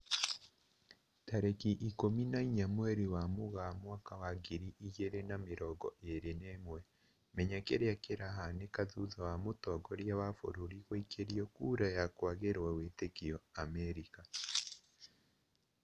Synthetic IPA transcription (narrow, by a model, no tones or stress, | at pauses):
taɾekiʔikominaiɲamwɛɾiwamoɣamwakawaɡiɾiʔiɣeɾenameɾɔɡɔʔeɾenemwɛ | mɛɲakeɾeakeɾaɦanekaðuðawamotɔɡɔɾjawafo̰ɾoɾiɣwaikʰeɾiɔkuɾajakwaɣeɾwawetekiɔamɛɾika